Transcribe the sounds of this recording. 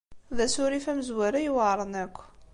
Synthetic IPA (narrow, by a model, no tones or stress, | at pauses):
ðæsʊɾifæməzwæɾajwaɾˤənækʷː